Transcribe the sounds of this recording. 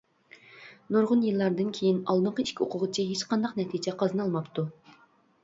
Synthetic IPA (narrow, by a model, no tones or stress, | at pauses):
noɾʁʊnjɨlˠːɑɾd̪ɨnkʲʰejinɑlˠnɨɴqʰəiʃkʲio̰qʰʊʁət͡ʃʰiɦet͡ʃqʰɑnd̪ɑqnɛt̪ʰid͡ʒɛqʰɑzɨnɑlˠmɑpt̪ʰu